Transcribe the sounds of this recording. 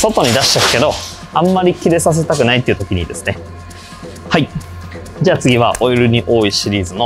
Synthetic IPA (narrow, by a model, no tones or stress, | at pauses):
so̞t̪o̞ɲ̟id̪aɕi̥akɯ̥ke̞d̪o̞ | ãmːaɾʲikʲiɾe̞sas̬e̞t̪akɯ̟nait̪ːeɯ̟t̪o̞kʲiɲ̟id̪e̞sɨ̥ne̞ | hai | d͡ʑaːt͡sɨɡʲiβa̰ʔo̞jiɾɯ̟ɲ̟iʔo̞ːiɕiɾʲiːzɨno̞